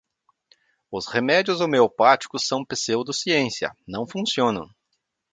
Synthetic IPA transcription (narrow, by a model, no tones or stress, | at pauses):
ʊshemɛd͡ʒiʊzomeopat͡ʃi̥kʊsːɐ̃w̃peseʊd̪ʊsiẽsiɐ̰nɐ̃w̃fũsiõnɐ̰̃w̃